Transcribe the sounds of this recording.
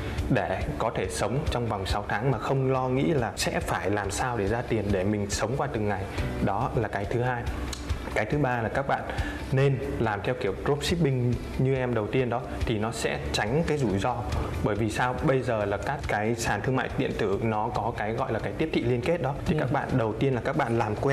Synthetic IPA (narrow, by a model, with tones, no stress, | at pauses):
ɗe˧˩kɔ˨˦t̪ʰe˧˩sə˨˦wŋ͡mt͡ɕɔ˧wŋ͡mva˨˩wŋ͡msa˨˦wt̪ʰaː˨˦ŋmaː˨˩xə˧wŋ͡mlɔ˧ŋḭ˧˥laː˨˩sɛ̰˧˥faː˧˩jlaː˨˩msaː˧wɗe˧˩zaː˧t̪i˨˩ənɗe˧˩mï˨˩ŋ̟sə˨˦wŋ͡mkwaː˧t̪ɨ˨˩ŋːa˨˩jɗɔ˨˦laː˨˩kaː˨˦jt̪ʰɨ˨˦ɦaː˧j | kaː˨˦jt̪ʰɨ˨˦ɓaː˧laː˨˩kaː˦˥k̚ɓa̰ː˧˨nː | e˧nlaː˨˩mt̪ʰɛ˧wki˧˩əwzo˦˥p̚si˦˥p̚ɓï˧ŋ̟ | ɲɨ˧ʔɛ˧mɗə˨˩wt̪i˧ənɗɔ˨˦t̪ʰi˨˩nɔ˨˦sɛ̰˧˥t͡ɕa˨˦jŋ̟kaː˨˦jzu˧˩jzɔ˧ɓəː˧˩jvi˨˩saː˧wɓə˧jzəː˨˩laː˨˩kaː˦˥kkaː˨˦jsaː˨˩nt̪ʰɨ˧əŋma̰ː˧˨jt̪ḭ˧˨ənt̪ɨ˧˩nɔ˨˦kɔ˨˦kaː˨˦jɣɔ̰˧˨jlaː˨˩kaː˨˦jt̪i˦˥əpt̪ʰḭ˧˨li˧ənke˦˥t̚ɗɔ˨˦t̪ʰi˨kaː˦˥k̚ɓa̰ː˧˨nɗə˨˩wt̪i˧ənlaː˨˩kaː˦˥k̚ɓa̰ː˧˨nlaː˨˩mkwɛ˧